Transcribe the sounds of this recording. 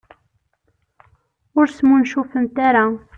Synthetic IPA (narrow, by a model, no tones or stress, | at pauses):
ʊɾsmunʃufənt̪aɾa